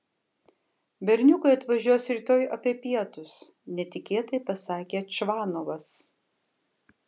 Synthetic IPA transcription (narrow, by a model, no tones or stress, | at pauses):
bʲɛɾʲnʲʊkɐɪɐt̪ʋɐʒʲuɔsɾʲiːt̪oːjʔɐpʲiɛpʲiɛt̪ʊs | nʲɛt̪ʲɪkʲeːt̪ɐɪpɐsɑːkʲeːt͡ʃʋɑːnoʋɐs